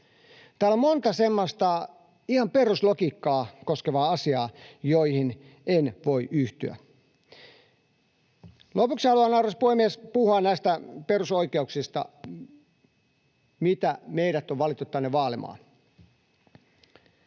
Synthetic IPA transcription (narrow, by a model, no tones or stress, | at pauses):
t̪æːlommont̪ɑsemːost̪ɑ | ihɑmperuslokiːkːɑːkoskeʋɑːɑsiɑːjoihin | enʋoiʔyht̪yæ̰ | lopuksihɑluɑnɑurʋɑspuhemːiespuhuɑnæist̪æperusoikeuksist̪ɑ̰ | mit̪æmeiɾæt̪oʋʋɑlit̪ːut̪t̪ænːeʋʋɑːlimɑ̰ːn